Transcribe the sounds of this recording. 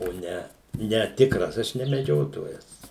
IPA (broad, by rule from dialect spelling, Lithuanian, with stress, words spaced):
oː ˈnʲɛ nʲɛ ˈtʲɪkrɐs ˈɐʃ nʲɛ mʲɛˈd͡ʒʲoːtoːjɛs